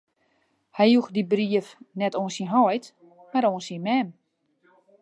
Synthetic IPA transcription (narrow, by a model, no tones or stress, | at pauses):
hɛjjuxdibriəfnɛtoənsinɦɔjt | maɾoənsinmɛm